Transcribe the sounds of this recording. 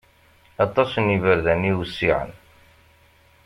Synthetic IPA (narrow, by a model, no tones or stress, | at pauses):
ɑt̪ˤːɑsnivəɾðæniwsːiʕə̰n